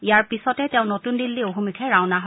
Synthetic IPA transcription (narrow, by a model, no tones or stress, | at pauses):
ijaɹpisɔtɛtɛ̃ʊ̃notundilːioɦumikʰɛɹãwnaɦ